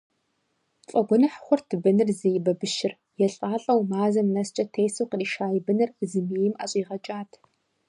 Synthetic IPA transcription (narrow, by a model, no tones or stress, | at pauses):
t͡sʼɐɡʷɔnɨħxʷɔrtʰɨbɨnɨrzɨjɪbɐbɨʃɪr | jɛɬʼaːɬʼɐwmaːzɐmnɐst͡ʃʼɐtʰeːsɨwqəriːʃaːjbɨnɨrzɨmijɪmʔa̰ːɕʼiːʁɐt͡ʃʼaːtʰ